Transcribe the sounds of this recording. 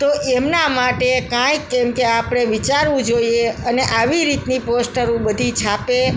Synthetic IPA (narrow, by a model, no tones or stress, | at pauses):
t̪oʔemnamaʈekãjemkeapɽ̃eʋit͡ʃaɾʋũd͡ʒoieəneʔaʋiɾit̪niposʈəɾũbəd̪ʱit͡ʃʰape